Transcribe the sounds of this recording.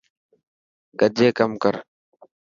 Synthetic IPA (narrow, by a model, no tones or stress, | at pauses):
ɡəd͡ʒeːkəmkəɾ